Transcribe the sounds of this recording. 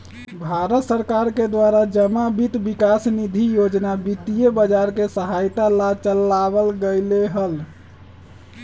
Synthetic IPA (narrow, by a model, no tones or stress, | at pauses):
bʱaɾət̪səɾkaɾked̪waɾad͡ʒəmabit̪bikasnid̪ʱijod͡ʒnabit̪ijebəd͡ʒaɾkesəɦajt̪alat͡ʃəlːabəlɡəjleɦəl